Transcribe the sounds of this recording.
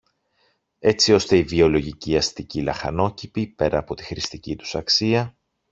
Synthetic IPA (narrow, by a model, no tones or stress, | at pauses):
e̞t͡sio̞st̪e̞ivio̞lo̞ʝiciɐst̪icilɐxɐ̰no̞cipipe̞ɾɐːpo̞t̪i̥xɾist̪icit̪u̥sɐksiɐ